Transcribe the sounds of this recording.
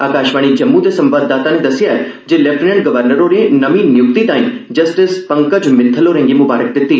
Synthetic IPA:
aːkaːʃʋaːɽ̃id͡ʒɐmːũt̪esɐ̃mbaːd̪ːaːt̪aned̪ɐsɪjaɛ | d͡ʒeːleːfʈnẽɳʈɡɐʋəɾnəɾoɾenɐʋĩnjʊk̚t̪it̪ãːĩd͡ʒɐsʈɪspɐ̃ŋkəd͡ʒmɪ̃nt̪ʰəloɾẽŋɡimʊbaːɾək̚d̪ɪt̪ːiː

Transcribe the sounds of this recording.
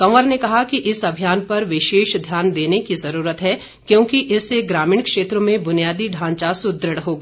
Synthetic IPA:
kɐ̃əɾnekɐɦakiʔɪsɐbʱijaːnpɐɾʋɪʃeːʃd̪ʱjaːnd̪eːnekizɐɾuːɾət̪ɦɛ | kjõːkiʔɪsːeɡɾaːmiːɳ̃kʃeːt̪ɾomẽbʊnijaːd̪iɖʱãːɲt͡ʃasʊd̪ɾəɽɦoːɡaː

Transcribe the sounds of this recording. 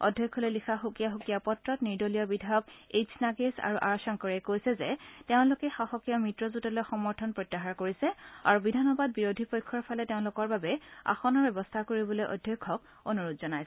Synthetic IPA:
ɔ̰dʱjɔkʰːɔlojlixʰaxukijaɦukijapɔtɹɔtniɹdolijɔbidʱajɔk̚esʰnaɡesa̰ɹuʔa̰ɹasɔŋkɔɹɛkojsɛzɛteʊ̃lʊkɛxaxɔkijɔmɹitɹɔzutɔlojxɔmɔɹtʰɔnpɹɔjtːaɦaɹkoɹisɛa̰ɹubidʱanɔbad̚biɹodʱipɔjkʰːɔɹpʰalɛteʊ̃lʊkɔɹbabɛa̰xɔnɔɹbɛbɔstʰakoɹibɔlojʔɔ̰dʱjɔkʰːɔk | onuɹotzɔnajs

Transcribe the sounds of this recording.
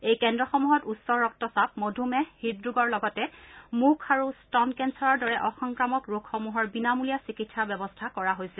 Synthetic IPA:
ejkɛndɹɔxɔmuɦɔtusɔɹːɔk̚tɔsap̚modʱumɛhidɹuɡɔɹlɔɡɔtɛmukʰaɹustɔnkɛnsɔɹɔɹdɔɹɛʔɔxɔŋkɹamɔkɹokʰxɔmuɦɔɹbinamulijasikitsabɛbɔstʰakɔɹaɦojsɛl

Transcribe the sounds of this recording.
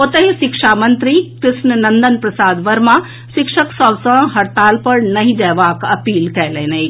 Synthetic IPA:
ot̪əɦisikʂaːmɐnt̪ɾikɾɪʃnənɐnd̪ənpɾɐsaːd̪ʋɐɾma | sɪkʂəksɔbsɐ̃ɦɐɾt̪aːlpəɾnɐɦĩd͡ʒɛːʋakɐpiːlkɛlɛnɐi

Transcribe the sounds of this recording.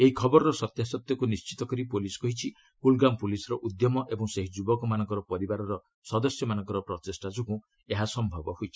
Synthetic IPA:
eɦikʰɔbɔɾɔɾɔsɔt̪jasɔt̪jɔkunist͡ʃi̥t̪ɔkɔɾipolisɔ̥kɔɦit͡ʃʰi | pulɡampulisɔɾɔʔud̪jɔmɔʔebɔŋseɦid͡ʒubɔkɔmanɔ̃ŋkɔɾɔpɔɾibaɾɔɾɔ | sɔd̪ɔsjɔmanɔŋkɔɾɔpɾɔt̪esʈad͡ʒukũ | eɦasɔmbʱɔbɔɦojt͡ʃʰi̥

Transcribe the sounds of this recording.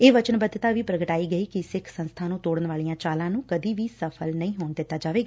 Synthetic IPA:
eːʋət͡ʃənbəd̪t̪aːʋiːpɾəɡəʈaːiːɡəiːkɪsɪkʰsənst̪ʰaːnũːt̪oːɽənʋaːlijãːt͡ʃaːlãːnũːkəd̪iːʋiːsəpʰəlnəĩːɦoːnd̪ɪt̪ːaːd͡ʒaːʋeːɡaː

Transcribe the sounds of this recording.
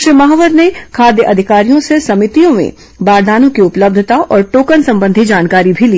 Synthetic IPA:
ʃmɐɦʋəɾnekʰaːd̪jəʔɐd̪ʱɪkaːɾijõsesɐmɪt̪ijõmḛ̃ | baːɾd̪aːnõkiʊpləb̚d̪ʱət̪aʔɔːɾʈoːkənsɐ̃mbə̃nd̪ʱid͡ʒaːnkaːɾibʱili

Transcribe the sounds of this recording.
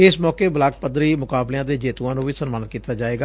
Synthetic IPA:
ɪsmɔːkeːbəlaːk̚pəd̪ɾiːmʊkaːbleãːd̪eːd͡ʒeːt̪ũãːnũːʋiːsənmaːnət̪̚kiːt̪aːd͡ʒaːeːɡa

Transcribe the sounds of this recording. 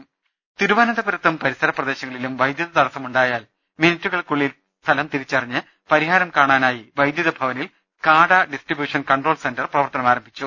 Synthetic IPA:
t̪iɾuʋaːnɐnd̪ɐbɐɾɐt̪ːumpɐɾisɐɾɐprɐd̪e̞ːɕɐŋːɐɭilumʋɐjd̪jɐðɐt̪ɐɽɐsɐmuɳɖaːjaːl | minɐtːuɣɐɭkuɭːil | st̪ʰɐlɐmt̪iɾit͡ɕːɐriɲːɨ | pɐɾiɦaːɾɐmkaːɳaːnaːjiʋɐjd̪jɐðɐbʱɐʋɐnil | kaːɽɐɖisʈribjuːʂɐnkɐɳɖro̞ːlsendɐrprɐʋɐrt̪ɐnɐmaːɾɐmbʱit͡ɕːu

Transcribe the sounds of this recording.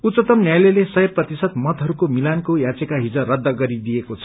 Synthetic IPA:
ut̪t͡sʌt̪ʌmnjajlelesʌɦeprʌt̪isʌt̪mʌt̪ɦʌɾukomilankojat͡sekaɦid͡zʌrʌd̪ːʌɡʌɾid̪ijekot͡sʰʌ

